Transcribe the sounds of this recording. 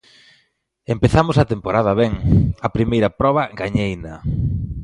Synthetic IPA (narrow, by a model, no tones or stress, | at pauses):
empeθamʊsat̪empoɾaðɐβeŋɐpɾimejɾɐpɾɔβɐɡaɲejnɐ